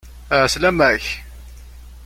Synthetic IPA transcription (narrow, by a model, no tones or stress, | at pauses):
ʕəslæmæç